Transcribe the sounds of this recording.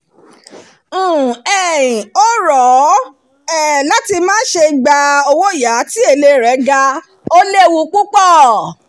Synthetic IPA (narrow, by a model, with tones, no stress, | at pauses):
ɛ˦˨ĩ˨o˦ɾɔ˨˦ | ɛ˦˨la˦ti˧mãː˦ʃe˧˨ɡ͡ba˧o˧wo˦˨ja˨˦ti˦e˦˧˨le˧˦ɾɛ˨˦ɡa˧ | o˦le˦˨wu˧˦k͡pu˦k͡pɔ˦˨